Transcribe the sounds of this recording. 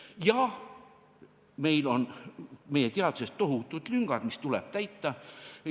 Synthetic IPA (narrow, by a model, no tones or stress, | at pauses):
jɑ | me̞jlo̞nmejet̪eɑd̪̥use̞st̪ːo̞ɦut̪ːˑud̪̥lyŋɡ̥ɑd̪̥mist̪ulɛb̥t̪æjt̪ˑːɑ